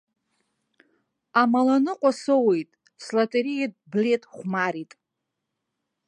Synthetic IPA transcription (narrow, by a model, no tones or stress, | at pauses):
amalanɨqʷʼasowejtʼ | slatʼeɾijed̚ʼble̞tʼχʷmaɾitʼ